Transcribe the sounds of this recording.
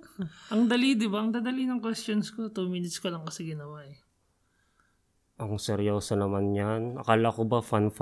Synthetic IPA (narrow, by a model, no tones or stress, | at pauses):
ʔɐŋd̪ɐlid̪ɪbaʔɐŋd̪aːd̪ɐlinɐŋkwɛst̪jonskot̪umiːnɪt̪skolɐŋkɐsɛɡɪnɐwaʔɛ | ʔɐŋsɛɾjoːsɐnɐmanɲanʔɐkaːlɐkobafanf